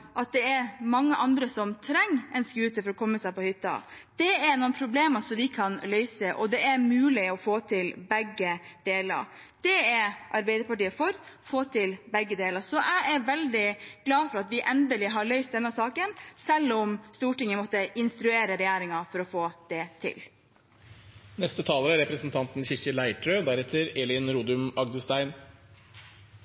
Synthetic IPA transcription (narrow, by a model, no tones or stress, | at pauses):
ʔɑt̪̚d̪ɛɛɾmɑŋːəʔɑnd̪ɾəsɔmt̪ʰɾɛŋːɛnskʉːt̪əfɔɾɔkʰɔmːəsæɪpɔhʏt̪ːɑ̰d̪̥ɛɛɾnʊnpʰɾʊbleːməsɔmʋɪkʰɑnlœʏsəʔɔ̰d̪ɛʔɛɾmʉːlɪɔfoːt̪ʰɪlbɛɡːəd̪̥eːlə̰ɾd̪̥ɛɛɾʔɑɾbæɪd̪əɾpɑʈiːəfɔɾfoːt̪ʰɪlbɛɡːəd̪eːləɾsɔʔæɪɛɾʋɛld̪ɪɡ̥lɑːfɔɾɑt̪ʋɪʔɛnd̪əlɪɦɑɭœʏst̪̚d̪ɛnːəsɑːkənsɛlːʊmst̪uːʈɪŋːəmɔt̪ːəʔɪnst̪ɾʉeːɾəɾɛjæːɾɪŋɑfɔɾɔfoːd̪̥ɛt̪ʰɪ̰l | nɛst̪ət̪ʰɑːləɾæɾɛpɾəsənt̪ʰɑnt̪n̩çɪɾkəlæɪʈʰɾøːd̪æɾɛt̪ʰːəɾɛlɪnɾuːd̪ʉmɑɡd̪əst̪æɪn